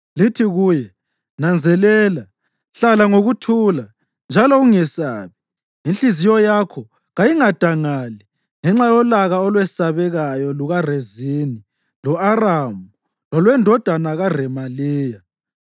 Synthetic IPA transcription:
litʰiɣuːjɛ | nand͡zʱɛlɛːla | ɬalaŋoɣutʰula | nd͡ʒʱalɔɣuŋɛsa̰ːβi | inɬizijɔjakʰɔ | ɣajiŋad̥ʱaŋali | ŋɛŋ͡ǁajɔlaɣaɔlwɛsaβɛɣajɔluɣarezini | lɔaramu | lɔlwɛndʱɔd̥ʱanaɣarɛmaliːja

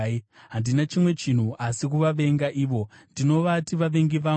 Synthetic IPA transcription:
ɦandinat͡ʃimwe̞t͡ʃin̤uʔasikuʋaʋe̞ŋɡaʔiːʋo̞ndino̞ʋatiʋaʋe̞ŋɡiʋa

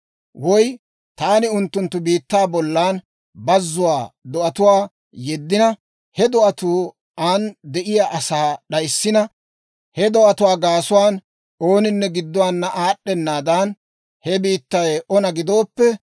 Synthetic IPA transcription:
wɔj | t̪aːnɪʊnt̪ːʊnt̪ːʊbiːt̪ːaːbɔlːaːn | bɐzːʊwaːd̪ɔʔɐt̪ʊwaː | jɛd̪ːɪnɐ | hɛd̪ɔʔɐt̪uː | and̪ɛʔɪjaːʔɐsaːɗɐjsːɪnɐ | hɛd̪ɔʔɐt̪ʊwaːɡaːsʊwaːn | oːnɪnːɛɡɪd̪ːɔwaːnːɐʔaːɗːɛnːaːd̪ɐn | hɛbiːt̪ːɐjɔnɐɡɪd̪o̞ːpːɛ

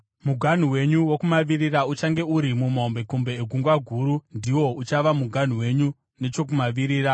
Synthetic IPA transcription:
muɡʱan̤uwe̞ɲuwo̞kumaʋiriraut͡ʃaŋɡe̞uɾimumaombe̞kumbe̞ːɡʱuŋɡwaɡʱuɾundiwo̞ut͡ʃaʋamuɡʱan̤uwe̞ɲu | ne̞t͡ʃo̞k̬umaʋiɾiːɾa

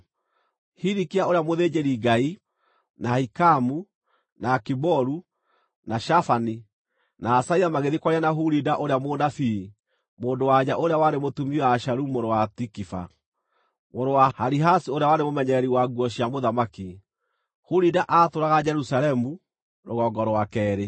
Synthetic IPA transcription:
hiɾikiaoɾejamoðed͡ʑeɾiɡai | nahikamu | nakibɔɾu | naʃafani | naːsaiamaɣeðikwaɾianaɦuɾidaʔoɾeamoːdafi | moːndowaɲaʔoɾeawanemotumiwaːʃaɾumoɾowatikifa̰ | moɾowahaɾiɦasioɾeawanemomɛɲɛɛɾiwaɡuɔɕiamoðamaki | huɾidaʔatoɾaɣad͡ʑɛɾusalɛmu | ɾoɣɔɡɔɾwakɛːɾe

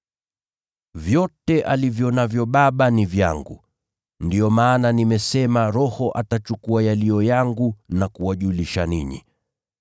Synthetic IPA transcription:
vjɔtɛʔalivjɔnavjɔɓaɓanivja̰ŋɡṵ | ndiɔmaːnanimɛsɛmaɾɔhɔʔatat͡ʃukuajaliɔjaŋɡunakuwaʄuliʃaniɲḭ

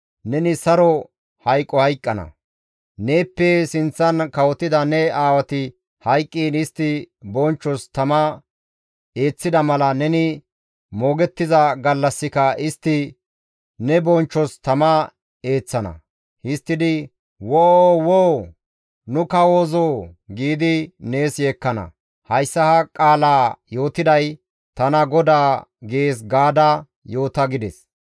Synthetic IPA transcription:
nɛnɪsɐɾɔ | hɐjkʼːɔhɐjkʼːɐnɐ̰ | ne̞ːpːɛsɪnt͡sːɐnkɐwɔt̪ːɪd̪ɐnɛaːwɐt̪ɪ | hɐjkʼːiːnɪst̪ːɪbɔnt͡ʃːɔst̪ɐmɐ | e̞ːt͡sːɪd̪ɐmɐlɐnɛnɪ | mo̞ːɡɛt̪ːɪzɐɡɐlːɐsːɪkɐʔɪst̪ːɪ | nɛbɔnt͡ʃːɔst̪ɐmɐ | e̞ːt͡sːɐnɐ̰ | hɪst̪ːɪd̪ɪ | wɔowow | nʊkɐwoːzoːɡiːd̪ɪne̞ːsjeːkːɐnɐ̰ | hɐjsːɐhɐkʼaːlaːjo̞ːt̪ɪd̪ɐj | t̪ɐnɐɡɔd̪aːɡeːs̬ɡaːd̪ɐ | jo̞ːt̪ɐɡɪd̪ɛs

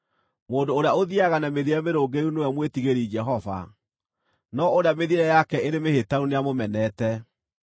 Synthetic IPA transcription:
moːndoːɾeaoðiaɣanameðiɾɛmeɾoɡeɾunewɛmwetiɣeɾid͡ʒɛɦɔva̰ | nɔoɾeameðiɾɛjakɛeɾemehetaɾuneamomɛnɛtɛ

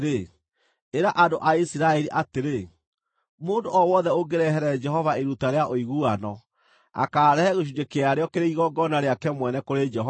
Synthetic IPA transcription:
ɾe | eɾaʔadoʔaisiɾaɛɾiʔateɾe | moːndoɔwɔðɛoɡeɾɛɦɛɾɛd͡ʒɛhɔvaeɾutaɾeaʔoiɣuanɔ | a̰kaːɾɛhɛɣoʃ̬ud͡ʒekeaɾeɔkeɾeiɣɔɡɔnaɾeakɛmwɛnɛkoɾed͡ʒɛɦɔ

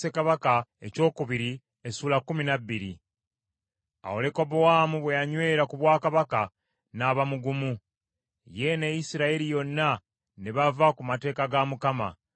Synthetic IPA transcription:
e̞kaβakae̞co̞ːkuβiɾi | esuːlakːuminabːiɾḭ | a̰wole̞kobowaːmuβwe̞jaɲwe̞ːɾakuβwaːkaβaka | naːβamuɡumu | je̞nejisiɾaeɾijo̞nːa | neβavakumate̞ːkaɡamukama̰

